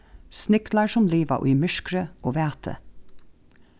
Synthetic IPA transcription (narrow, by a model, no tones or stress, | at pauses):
snʏklɑɹʃɔmliːʋɑ̰ʔʉːmʏʃkɾəʔoːʋæːt̪ʰə̰